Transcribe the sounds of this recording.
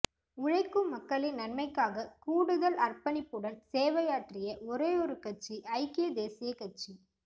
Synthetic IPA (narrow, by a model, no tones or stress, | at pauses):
ʊɻɐɪkːɯmɐkːɐɭɪnnɐnmɐɪkːaːɣɐkuːɽɯðɐlɐrpɐnɪpːɯɽɐnseːʋɐjaːʈrɪjɐʔɔɾeːɔɾɯkɐʈ̚t͡ʃːiʔɐɪkɪjɐd̪eːsɪjɐkɐt͡ʃːi